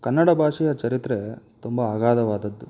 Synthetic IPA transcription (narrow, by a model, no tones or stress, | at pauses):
kɐnːɐɽɐbʱaːʂijɐt͡ʃɐɾit̪ɾet̪umbɐːɡaːd̪ɐʋaːd̪ɐd̪ːu